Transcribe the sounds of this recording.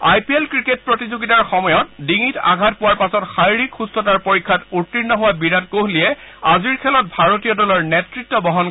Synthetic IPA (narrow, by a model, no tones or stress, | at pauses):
ajpielkɹiket̚pɹotizuɡitaɹxɔmɔjɔt̚diŋita̰ɡʱat̚pʊwaɹpasɔtxajɹikxustɔtaɹpoɹikʰːatutːiɹnːɔɦʊwabiɹatkoɦliɛaziɹkʰɛlɔt̚bʱaɹotijɔdɔlɔɹnɛtɹitːɔbɔɦɔn